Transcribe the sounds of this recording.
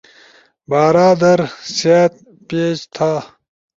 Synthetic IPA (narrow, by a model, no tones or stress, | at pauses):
baːɾaːd̪ɐɾsat̪̚ | peːd͡ʑt̪ʰaː